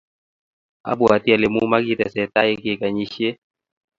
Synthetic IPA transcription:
a̰˨bua˨t̪i˦a˨le˨mu˦ma˦ki˦tɛ˨sɛ˨ta˦je˦keka˨ɲi˦ʃiɛ˦

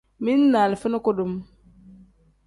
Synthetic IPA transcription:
mi˦nːa˨lfi˦nu˦ko˦du˨m

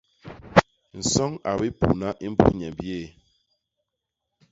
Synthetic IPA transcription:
n̩˨sɔ˦ŋa˨bi˦pṵ˨na˦ʔi˦m̩˦bṵ˦ɲɛ˨m˨bjeː˦˨

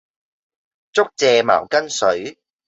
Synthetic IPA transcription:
t͡sʊ˥k̚t͡sɛː˨˧ma̰ː˨˩wkɐ˥nsɵ˨˥ɥ

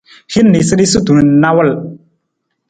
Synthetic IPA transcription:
hi˦nː˦i˨sɨ˦di˦su˦tu˨n˨˦na˦wə˦l

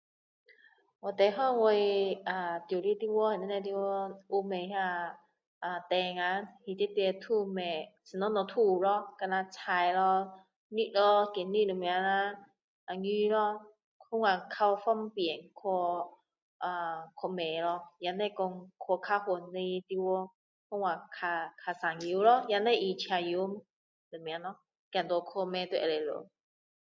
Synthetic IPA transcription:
wɔ˨t̪e˨˩ɦɔ˥˧˨ŋwe˧a˨˩t̪ju˨˩li˦t̪i˧wɔ˧˦hɛ˨nĩ˧˦nã˧t̪̬i˧wɔ˧˦u˧mẽ˨ɦa˧ | ʔa˨t̪ɛ˨˧ŋa˨˦hi˨˩t̪i˦t̪i˧ə˧t̪ʰu˥˧me˨˩t͡sʰɨ˨nɔ˨˦nɔ̃˨t̪ʰu˧˩lɔ˧˦ka˧na˧t͡sʰa˧jlɔ˧ | ni˧t̚lɔ˧ki˨˦nni˦˨lu˨˩˨mi˨a˨˧˦na˧˦ | ʔa˨ŋi˧˦lɔ˧ | hu˦ŋwa˨kʰa˧wɔ˧fɔ˦ŋpjɛ˨˩nkʰɔ˧ | ʔa˨kʰɔ˧mẽ˨lɔ˧ja˧ne˥˧˨kɔ˧ŋkʰɔ˧kʰa˧hu˨nːi˧t̪i˧wɔ˧˦ | hu˦ŋwa˨kʰa˧kʰa˧sa˨˩ŋju˨˦lɔ˧˦ja˧˦nle˥˧ʔi˧t͡ɕʰja˧ju˧˦m | lu˨mja˧˦lɔ˧˦ | kã˨˩nt̪wɔ˧kʰo˧mẽ˧t̪we˧˨˧le˨˩lo̰˨

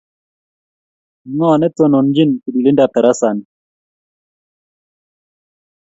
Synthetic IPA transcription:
nɔ˦a˨nɛ˦t̪o˦nɔ˨n˦d͡ʒi˦nki˨di˨li˦nda˨pɛ˨ɾa˦sa˨ni˨

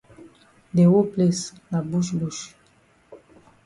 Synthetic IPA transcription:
d̪e˨wo˦plɛs | la˨buʃbuʃ

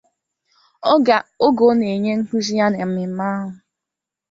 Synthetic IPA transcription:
ɔ˦ɡa˨o˦ɡo˨˦ne˨ɲe˦ŋ̩˦ku˦zi˦ja˦ne˨m̩˦mɪ˨m̩˦ma˦ɦʊ˨

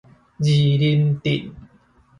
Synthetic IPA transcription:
d͡ʑi˨˩li˧nt̪ḭ˨˩n

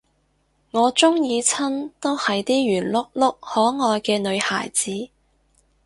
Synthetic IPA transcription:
ŋɔː˨˧t͡sʊ˥ŋjiː˨˧t͡sʰɐ˥nt̪o˥whɐ˨jt̪iː˥jyː˨˩nlʊ˥k̚lʊ˥k̚hɔː˨˥ŋɔː˨˧jkɛː˧nɵ˨˧ɥha̰ː˨˩jt͡siː˨˥

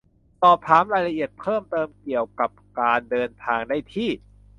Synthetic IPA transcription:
sɔː˨˩p̚t̪ʰaː˩˦˥mɾaː˧jla˧ʔi˨˩ət̪̚pʰɤː˥˩mt̪ɤː˧mki˨˩əwka˨˩p̚kaː˧ndɤː˧nt̪ʰaː˧ŋda˥˩jt̪ʰiː˥˩

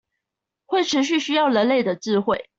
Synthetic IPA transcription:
xwe˥˩ɪʈ͡ʂʰɻ̩˧˥ɕ̬y˥˩ɕy˥jɑ˥˩ʊlə˧˥nle˥˩ɪd̪ə˩t͡sɹ̩˥˧xwe˥˨ɪ

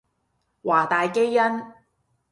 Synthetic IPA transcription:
waː˨˩t̪aː˨jke˥jːɐ˥n

